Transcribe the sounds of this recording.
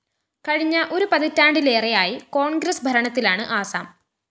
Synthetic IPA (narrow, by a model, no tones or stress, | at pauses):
kɐɻiɲːɐʔo̞ɾupɐðitːaːɳɖile̞ːrejaːjiko̞ːɳɡɾɐsbʱɐɾɐɳɐt̪ːilaːɳɨʔaːsa̰ːm